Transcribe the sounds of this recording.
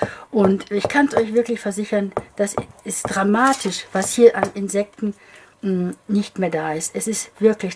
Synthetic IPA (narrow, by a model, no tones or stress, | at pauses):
ʔʊntɪçkʰansʔɔʏçv̥ɪɐklɪçfɛɐzɪçɐnd̥asɛsd̥ʁamaːtʰɪʃv̥ashiːɐʔanʔɪnzɛk̚tn̩ | nɪçtmeːɐdaːɪstɛsɪstv̥ɪɐklɪç